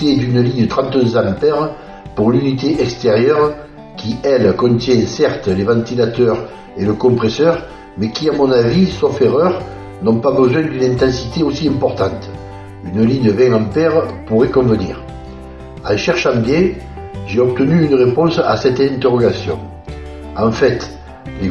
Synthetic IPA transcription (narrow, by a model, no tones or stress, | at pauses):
ed̪ynəliɲət̪χɑ̃nt̪ø̃zɑ̃mpɛʁə | puʁlynit̪eʔɛkst̪eʁjœʁ | kʲiɛlkɔ̃nt̪jɛ̃sɛʁt̪əlevɑ̃nt̪ilat̪œʁ | eləkɔ̃mpχesœʁ | mɛkʲiamɔ̃navisɔfeʁœʁ | nɔ̃pabəzwɛ̃d̪ynɛ̃nt̪ɑ̃sit̪eosiɛ̃mpɔʁt̪ɑ̃nt̪ə | ynəliɲəvɛ̃ŋɑ̃mpɛʁəpuʁekɔ̃vənḭʁ | alʃɛʁʃɑ̃mbjɛ̃ | ʒeɔpt̪ənyynəʁepɔ̃sa̰sɛt̪ɛ̃nt̪eʁɔɡasjɔ̰̃ | ɑ̃fɛt̪ | le